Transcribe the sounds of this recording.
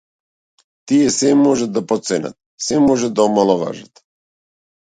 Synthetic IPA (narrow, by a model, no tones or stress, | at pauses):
t̪ijɛsɛmɔʒɛt̪̚d̪apot̪sɛna̰t̪ | sɛmɔʒɛd̪aɔmalˠɔʋa̰ʒat̪